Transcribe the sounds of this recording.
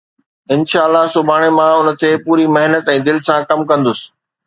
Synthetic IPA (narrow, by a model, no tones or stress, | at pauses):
ɪnʃaːəlːasʊbʱaːɽ̃emãʊnət̪epuːɾimɐɦnət̪ɛ̃ːd̪ɪlɪsãkɐmkɐ̃nd̪ʊsɪ̥̆